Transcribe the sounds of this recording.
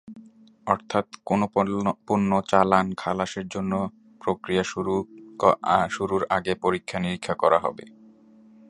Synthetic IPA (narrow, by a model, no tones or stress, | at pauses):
ɔɾt̪ʰat̪konopuɾnːot͡ɕalankʰalaʃeɾd͡ʑonːo | pɾokɾijau | ʃuɾuɾa̰ɡepoɾikʰːaniɾikʰːakɔɾa̰ɦɔ̰bḛ